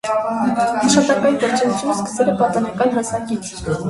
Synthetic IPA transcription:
ɑʃχɑt̪ɑŋkɑjind̪əɾt͡ʃʰɛzut͡sʰjunəskə̥sɛlɛpɑt̪ɔnɑkɑnɦɑsnɑkit͡s

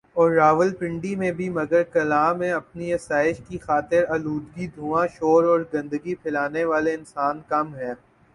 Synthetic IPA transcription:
ɔːɾːaːʋəlpɪ̃ɳɖimẽbʱimɐɡəɾkɐlaːmẽɐpniɐsaːɪʃkixaːt̪ɪɾɐluːd̪ɡid̪ʱuːãʃoːɾɔːɾɡɐ̃nd̪əɡipʰɪlaːneʋaːleɪnsaːnkɐmɦɛː

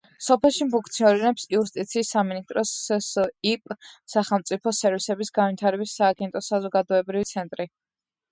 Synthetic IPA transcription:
sɔpʰɛlˠʃimpuŋkʰt̪sʰiɔɾinɛpsiust̪ʼit̪sʰiːsːaminist̪ʼɾɔssipʼsaχɛlˠmt̪sʼipʰɔsɛɾvisɛbisɡanvit̪ʰaɾɛbisaːɡɛnt̪ʼɔsazɔɡad̪ɔɛbɾivit̪sʰɛnt̪ʼɾi

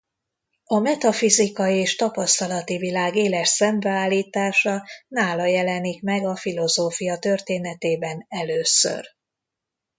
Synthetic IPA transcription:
ɒmɛt̪ɒfizikɒjeːʃt̪ɒpɒst̪ɒlɒt̪ivilaːɡeːlɛʃsɛmbɛaːlːiːt̪aːʃɒnaːlɒjɛlɛnikmɛɡɒfilo̞zoːfijɒt̪ø̞rt̪eːnɛt̪eːbɛnɛløːsø̰r

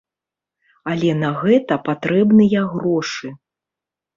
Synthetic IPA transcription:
alʲɛnɐɣɛt̪ɐpat̪ɾɛbnɨjɐɣɾɔʂɨ

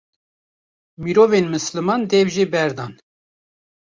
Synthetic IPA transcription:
miɾoːvenmɨslɨmɑːnd̪ɛvʒebɛɾd̪ɑːn

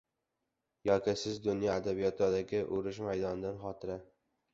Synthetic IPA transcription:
jɒkʲɪsɪzd̪ʊnjɒad̪abijɒt̪ʰɒd̪aɡʲɪʔʊɾɪʃ̬majd̪ɒnd̪anχɒt̪ʰɪɾa

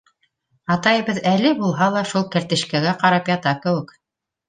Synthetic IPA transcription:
ɑt̪ɑjɤ̆βɤðælɘbulˠɦɑlˠɑʃulˠkæ̆ɾt̪ɘ̆ʃkæɡæqɑɾɑpjɑt̪ɑkɘ̆wɘk

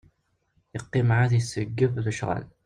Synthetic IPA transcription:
jəqːimʕaθjəsːəɡːəvðəʃʁə̰l

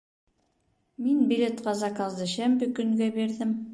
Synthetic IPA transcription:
minbilʲet̪qɑzɑkɑzd̪ɤɕæmbɘkɵ̆ŋɡæbiɾðɘm

